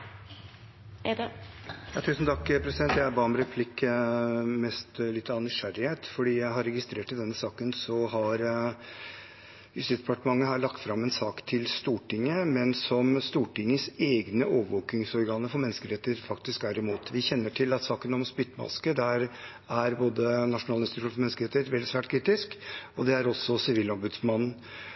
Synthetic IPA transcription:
jɑːt̪ʰʉːsnt̪ʰɑkːpʰɾɛsɪd̪ɛnt̪jææɾbɑːmɾɛpʰlɪkː | mɛst̪lɪt̪ːɑːnʏʂæɾɪheːt̪fɔɖiːjæɪɦɑɾɛɡɪst̪ɾeːʈɪd̪ɛnːəsɑːkənsɔhɑɾ | jʉst̪ɪsd̪ɛpɑʈəmɑŋːəɦɑːɭɑk̚t̪fɾɑmɛnsɑːkt̪ʰɪlst̪uːʈɪŋːəmɛnsɔmst̪uːʈɪŋːəseːɡnəʔoːʋəʋoːkɪŋsɔɾɡɑːnəfɔɾmɛnːəskəɾɛt̪ːəɾfɑkt̪ɪsk̚d̪æɾɪmuːt̪ʋɪçɛnːəʈʰɪlɑt̪sɑːkənɔmspɪt̪ːəmɑ̰skəd̪æɾ | æɾboːd̪ənɑʂʊnɑːləɪnst̪ɪt̪ʉunfɔɾmɛnːskəɾɛt̪əɾɛt̪ʋɛld̪sʋæːʈkʰɾiːt̪ɪskɔd̪ɛæɾɔsːɔsɪʋiːlɑɾbʉd̪smɑnn̩

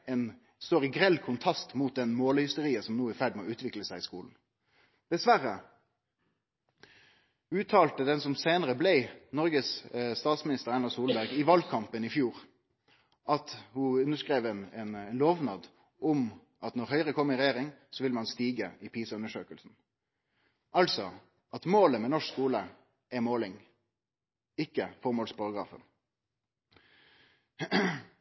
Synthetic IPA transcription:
ɛn | st̪oːʁɪɡɾɛlːkʰʊnt̪ʰʁɑst̪mut̪̚d̪ɛnmoːlhʏst̪əɾiːəsɔmnuːæfæɖmɔʉːt̪ʰʋɪkləsæɪɪskuːln̩ | d̪̥ɛsʋæɾːə | ʉːt̪ʰɑːlt̪əd̪ɛnsɔmseːnəɾəblɛɪnɔɾɡəsst̪ɑːt̪smɪnɪst̪əʁɾɑnɑsuːlbæʁɡɪʋɑlkʰɑmpənɪfjuːɾ | ʔɑt̪hʊʉnːəʂkʁeːʋɛnɛnɛnloːʋnɑːd̪ | ɔm | ʔɑt̪nɔʁhœʏʁəkʰɔmːɪɾɛjeːʁɪŋsɔʋɪlmɑnst̪iːɡəʔɪpʰiːsɑʉnəʂøːkəlsn̩ | ʔɑlsɔ | ʔɑt̪moːləmɛnɔʂkskuːlə | ɛmoːlɪŋ | ɪkːəfɔʁmoːlspʰɑʁɑɡɾɑ̰ːfə̰n

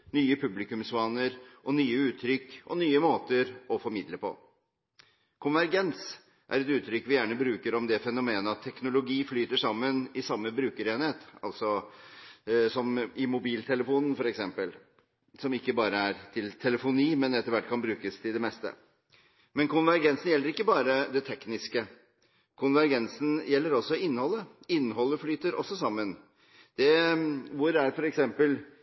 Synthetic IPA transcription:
nyːəpʰʉblɪkʉmsʋɑːnəɾʔɔnyːəʉːt̪ʰːɾʏkːɔ̰nyːəmoːt̪əɾɔfɔɾmɪd̪ləpʰɔ̰ | kʰʊnʋæɾɡɛns | ʔæ̰ɾɛt̪ʉːt̪ʰːɾʏkːʋɪjæːɳəbɾʉːkəɾɔmd̪ɛfɛnʊmeːnəɑt̪ʰːɛknʊlʊɡiːflyːt̪əʂɑmːənɪsɑmːəbɾʉːkəɾeːnheːt̪ɑ̰lt̪sɔ | sɔmɪmʊbiːlt̪ʰɛləfuːnn̩fɔɾɛksɛmpəl | sɔmɪkːəbɑːɾəæɾt̪ʰɪlt̪ʰɛləfʊniːmɛnɛt̪ːəɾʋæʈːkʰɑnbɾʉːkəst̪ʰɪld̪ɛmɛst̪ə̰ | mɛnkʊnʋæɾɡɛnsn̩jɛlːəɾɪkːəbɑːɾəd̪ɛt̪ʰɛknɪskə | kʰʊnʋæɾɡɛnsn̩jɛlːəɾɔsːɔɪnːhɔlːə | ɪnːhɔlːəflyːt̪əɾɔ̰sːɔsɑmːən | d̪̥ɛʋʊɾæɾfɔɾɛksɛmpəl

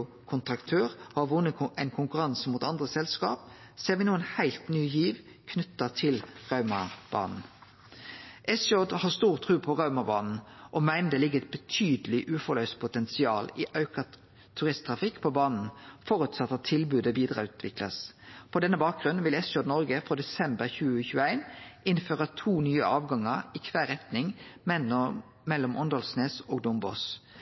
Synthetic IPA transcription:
ʊ | kʰʊnt̪ʁɑkt̪ʰøːʁhɑʋʊnːəɛɪnkʰʊŋkʉʁɑnsmuːt̪ɑnd̪ʁəsɛlskɑ̰ːp | seːʁʋɪnuːənhæɪlt̪nyːjiːʋ | kʰnʉt̪ːət̪ʰɪlʁɑʉmɑb̥ɑ̰ːnn̩ | ʔɛsjɔd̪hɑːst̪uːʁt̪ʰʁʉːpʰɔʁɑʉmɑbɑːnn̩ʔɔmæɪnəd̪eːlɪɡəɛt̪̚b̥ət̪ʰyːd̪əlɪʔʉːfɔlœʏspʰʊt̪ɛnsɪɑːlɪʔɑʉkɑ | t̪ʰʉʁɪst̪ʰʁɑfɪkːpʰobɑːnn̩fɔʁʉt̪sɑt̪ːɑt̪ʰɪlbʉːd̪əbiːd̪ʁɑʉːt̪ʰʋɪklɑ̰spʰɔd̪ɛnːəbɑːk̚ɡʁʉnnʋɪlɛsjɔd̪nɔʁɡəfʁoːd̪ɛsɛmbəʁçʉːəçʉːəæɪnɪnføːʁət̪ʰuːnyːə̰ɑːʋɡɑŋəʁiːkʰʋæːʁɛt̪nɪŋ | mɛlːɔmʔɔnd̪ɔlsneːsoːɡd̪ʊmbɔ̰s

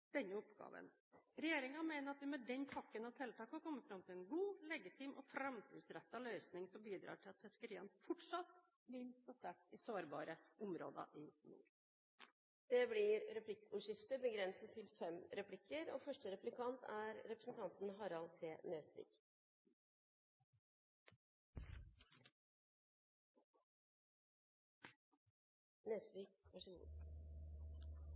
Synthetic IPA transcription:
d̪̥ɛnːəʊpɡ̥ɑ̰ːʋə̰n | ɾɛjeːɾɪŋɑmeɪnəɾɑt̪ʋɪmɛd̪ɛnːpʰɑkːənɑt̪ʰɛlt̪ʰɑːkhɔɾkʰɔmːəfɾɑmt̪ʰɪlɛnɡuːlɛɡɪt̪ʰiːmʔɔ̰fɾɑmt̪ʰiːsɾɛt̪ːɑlœʏsnɪŋsɔmbiːd̪ɾɑ̰ːʈʰɪlɑt̪pʰɛskəɾiːɑnəfɔʈʂɑt̪ː | ʋɪlst̪oːst̪æʈːɪsoːɾbɑ̰ːɾəʔʊmɾo̰ːd̪ə̰ʔɪnṵːɾ | d̪̥ɛblɪɾɾɛpʰlɪkːʊʂɪft̪əbəɡɾɛnsət̪ʰɪlfɛmɾɛpʰlɪkʰːəɾoːfœʂʈəɾɛplɪkʰɑnt̪ʰæɾɾɛpɾəsn̩t̪ʰɑnt̪n̩ɦɑɾɑlseːnøːsʋḭːɡ̥ | nøːsʋiɡʋɑʂəlṵːn

